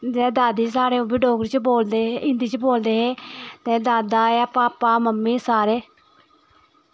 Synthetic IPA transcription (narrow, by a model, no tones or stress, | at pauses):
d͡ʒɛːd̪aːd̪iːsaːɾeːũːbiːɖoːkɾt͡ʃboːld̪eːeɪ̃nd̪iːt͡ʃboːld̪eːɦeːt̪eːd̪aːd̪aːɛːpaːpaːməmːiːsaːɾeː